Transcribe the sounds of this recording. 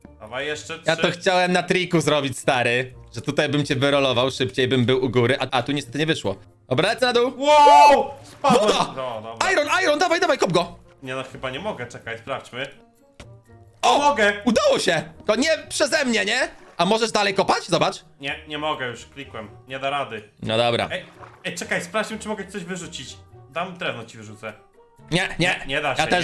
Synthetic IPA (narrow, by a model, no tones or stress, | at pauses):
d̪ɔbajɛʂt͡ʂɛjat̪ɔxt͡ɕawɛmnat̪ɾʲikuzɾɔbʲit͡ɕst̪aɾɘʐɛt̪ut̪ajbɘmt͡ɕɛvɘɾɔlɔvawʂɘpt͡ɕejbɘmbɘwʔuɡuɾɘʔaʔat̪uɲɛst̪ɛt̪ɘɲɛvɘʂwɔ̰ | ɔbɾalɛt̪sɛnad̪uwwɔ | paɔd̪aɔd̪ɔajɾɔnʔajɾɔnd̪avajd̪avajkɔb̚ɡɔ | ɲɛnɔxɘbaɲɛmɔɡɛt͡ʂɛkajspɾaft͡ɕmɘ | ɔmɔɡɛud̪awɔɕɛkɔɲɛpʂɛzɛmɲɛɲɛamɔʐɛʐd̪alɛjkɔpat͡ɕzɔbat͡ʂɲɛɲɛmɔɡɛjuʂklʲikwɛmɲɛd̪aɾad̪ɘnɔd̪ɔbɾa̰ɛjɛjt͡ʂɛkajspɾaft͡ɕmɘt͡ʂɨmɔɡɛt͡ɕit̪ɔʑvɘʐut͡ɕit͡ɕd̪amd̪ɾɛvnɔt͡ɕivɘʐut̪sɛ | ɲɛɲɛɲɛd̪aɕjaɛt̪ɛ